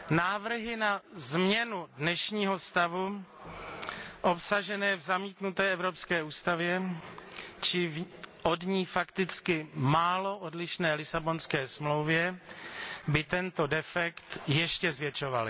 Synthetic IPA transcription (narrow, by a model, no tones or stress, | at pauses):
naːvr̩ɦɪnazmɲɛnudnɛʃɲiːɦo̞st̪avu | ʔopsaʒɛnɛːvzamiːt̪nut̪ɛːɛvɾopskɛːʔuːst̪avjɛ | t͡ʃɪvʔo̞dɲiːfakt̪ɪt͡skɪmaːlo̞ʔodlɪʃnɛːlɪsabo̞nskɛːsmlowvjɛ | bɪt̪ɛnt̪o̞dɛfɛkt̪jɛʃcɛzvjɛt͡ʃo̞va̰lɪ̰